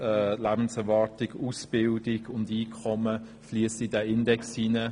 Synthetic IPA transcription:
ɛlæbn̩sɛʁvɑʁtɪɡuːsb̥ɪldɪɡʊndiːkʰɔmə | fliəsidɛɪndɛksinə

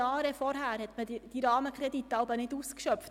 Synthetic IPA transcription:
ɑːɾəfɔɾɦæːɾhɛt̪məd̥iɾɑːməkʰɾɛd̪it̪ːɑʊbənɪduskʃœpft

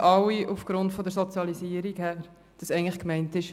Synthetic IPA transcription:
ʔɑwiʔufɡ̥ɾʊntfɔdəɾsɔt͡sjɑliziːəɾikhæːɾ | d̥ɑsɛɪŋtləχkmɛɪntɪʃ

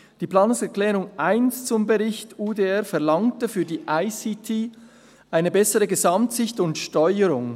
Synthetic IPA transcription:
d̥iːplɑːnʊŋsɛʁklɛːʁʊŋʔaɪnst͡sʊmbəʁɪçtuːdeɛʁfɛɐlɑŋtəfyːɐdiːʔaɪsitʰiː | ʔaɪnəbɛsəʁəɡəzamtsɪçtʊntʃtɔʏəɾʊŋ

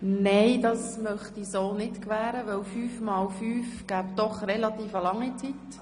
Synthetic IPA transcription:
neɪdɑsmœχtisoːnɪtkʋæːɾəʋɛwfyːfmɑːlfyːfɡ̥æːpd̥ɔχrelɑt̪iːfɑlɑŋːit͡sit̪

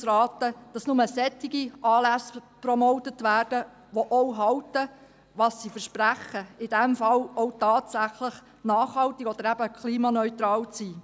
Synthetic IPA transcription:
sɾɑːtəd̥ɑsnʊməsɛt̪ːɪɡiʔɑːlæsprɔmɔwtətʋæːrd̥ə | ʋoʔɔwɦɑltə | ʋɑsːifəɾʃpræχəɪd̥ɛmfɑlɔwtɑːtsæχləχ | nɑːχhɑltiɡɔd̥̪əɾæb̥əkχliːmɑnœʏt̪ɾɑːlt͡siː

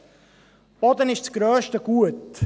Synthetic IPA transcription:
b̥ɔdənɪʃt͡sɡ̥ɾœːʃtəɡ̥uət

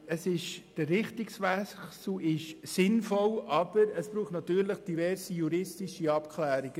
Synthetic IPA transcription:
əsɪʃd̥əːɪχtɪksʋɛsl̩ɪʃsɪnfɔlʔɑb̥əɾəsb̥ɾuːχtnɑt̪yːɾləχd̥ivɛɾsijuɾɪstɪʃəɑpkʰlæːɾiɡ̥ə

